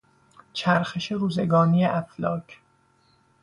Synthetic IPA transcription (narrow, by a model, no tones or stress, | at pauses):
t͡ʃʰæɾxeʃeɾuːzeɡɒːnijeʔæflɒːcʰ